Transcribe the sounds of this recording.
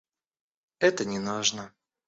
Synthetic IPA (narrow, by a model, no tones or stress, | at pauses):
ɛt̪ənʲɪnuʐnə